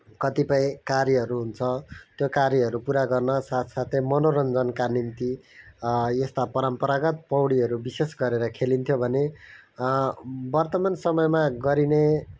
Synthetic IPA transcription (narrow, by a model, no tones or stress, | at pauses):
kʌt̪ipʌĩkaɾjʌɦʌɾuɦunt͡sʰʌt̪jokaɾjʌɦʌɾupuɾaɡʌrnʌsat̪ʰsat̪ʰemʌnoɾʌnd͡zʌnkanint̪i | jest̪apʌɾʌmpʌɾaɡʌt̪̚pʌwɽiɦʌɾubisesɡʌɾeɾʌkʰelint̪ʰjobʱʌne | bʌrt̪ʌmansʌmʌjmaɡʌɾine